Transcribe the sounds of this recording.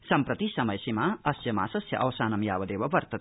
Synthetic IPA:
sɐmpɾɐt̪isɐmɐjsemaʌsjɐma̰sɐsjɐ̰ʔɐwsaːnɐmja̰ːbɐd̪eːbɐbɐɾt̪ɐt̪

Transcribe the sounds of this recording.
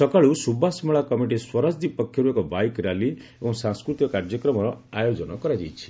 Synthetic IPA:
sɔkaɭusubʱasmɔɭakɔmiʈiswɔɾasd̪ipɔkʰːjɔɾuekɔbajkɾali | eɔ̃ŋsãŋskɾut̪ijɔkaɾd͡ʒjɔkɾɔmɔɾɔajod͡ʒɔnɔkɔɾad͡ʒejt͡ʃʰi̥

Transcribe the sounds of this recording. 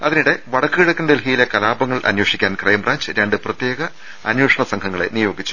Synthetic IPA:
ɐðiniɽe̞ʋɐɽɐkːɨɣiɽɐkʲːunɐd̪elɦijilekɐlaːbɐŋːɐɭʔɐ̰njoːʂikʲːaːnkrɐjmraːnd͡ʑɨɾaːɳɖɨprɐt̪je̞ːɡɐ | ɐnjoːʂɐɳɐsɐŋkʰɐŋːɐɭḛnijo̞ːɡit͡ɕːu̥

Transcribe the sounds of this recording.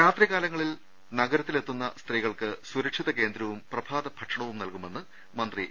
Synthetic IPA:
ɾaːt̪riɣaːlɐŋːɐɭil | nɐɡɐɾɐt̪ːile̞t̪ːunːɐst̪riɣɐɭkɨsuɾɐkʂiðɐke̞ːnd̪ɾɐʋumprɐbʱaːd̪ɐbʱɐʈʂɐɳɐʋumnɐlkume̞nːɨ | mɐnd̪ri

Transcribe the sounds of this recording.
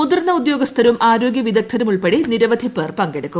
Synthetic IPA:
mud̪ɐrnːɐud̪jo̞ːɡɐst̪ʰɐɾɐumʔaːɾo̞ːɡjɐʋid̪ɐk̚t̪ʰɐɾɐmuɭpeɽiniɾɐʋɐd̪ʱipːeːrpɐŋɡeɽɐkːum

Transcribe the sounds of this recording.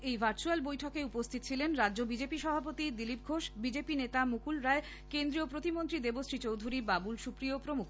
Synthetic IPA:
ejbʱaɾt͡ɕualbojʈʰɔkeupost̪ʰit̪ot͡ɕʰilenɾadːʑobid͡ʑepiʃɔbʱapot̪id̪ilip̚ɡʱoʃbid͡ʑepinet̪amukulɾae | kend̪ɾiopɾot̪imont̪ɾid̪ebosʈɾit͡ɕowd̪ʱuɾibabulʃupɾiopɾomukʰ

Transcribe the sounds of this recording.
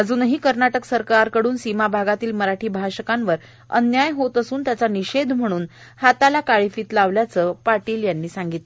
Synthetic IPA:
əd͡zuːnɦiːkəɾnaʈəksəɾkaɾkəɽuːnsimabʱaɡat̪iːlməɾaʈʰiːbʱaɕəkanʋəɾ | ə̰njajɦot̪əsuːnt̪jat͡saniɕed̪ʱm̤əɽ̃uːn | hat̪alakaɭifiːt̪laʋljat͡səːpaʈiːljanːiːsaŋɡit̪l

